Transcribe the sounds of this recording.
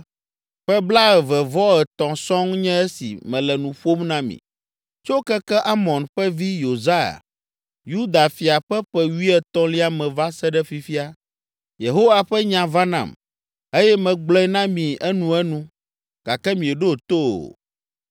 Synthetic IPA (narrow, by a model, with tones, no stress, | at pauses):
ɸɛ˦bla˦ɛ˨vɛ˨vɔ˦ɛ˨t̪ɔ̃˨sɔ̃˦ŋɲɛ̃˦ɛ˦sḭ˨mɛ̃˨lɛ˨nũ˨ɸo˦mnã˦mḭ̃˨ | t͡ʃo˦kɛ˦kɛ˦ʔa˦mɔ̃˨nɸɛ˦vi˦jo˨za˦a̰˨ | ju˦d̪a˨fi˨a˨ɸɛ˦ɸɛ˦wi˦ɛ˦t̪ɔ̃˦li˦a˦mɛ̃˨va˦sɛ˦ɖɛ˦fi˨fi˦a˨ | je˨ɦo˦wa˨ɸɛ˦ɲã˨va˦nã̰˨m | e˦jɛ˦mɛ̃˨ɡ͡blɔ̃˦ɛ˦nã˦mĩ˨ɛ˦nũ˨ɛ˦nũ˦ | ɡ̥a˨kɛ˦mĩ˨ɛ˨ɖo˦˨t̪o̰˦˨